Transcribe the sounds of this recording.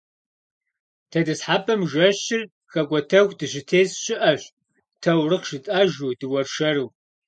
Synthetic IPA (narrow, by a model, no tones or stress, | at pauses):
tʰɐdɨsħaːpʰɐmʒɐɕɪr | xɐkʷɔtʰɐxʷdɨɕɪtʰeːsɕɪʔɐɕʷ | tʰɐwrɨqʃɪtʼɐʒudɨwɐrʃɐɾɨw